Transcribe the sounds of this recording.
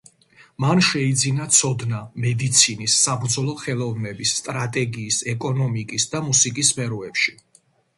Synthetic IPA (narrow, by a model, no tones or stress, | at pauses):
manʃɛid̪zinat̪sʰɔd̪namɛd̪it̪sʰinisːabɾd̪zɔlˠɔχɛlˠɔvnɛbisːt̪ʼɾat̪ʼɛɡiːsɛkʼɔnɔmikʼisd̪amusikʼispʰɛɾɔɛpʃi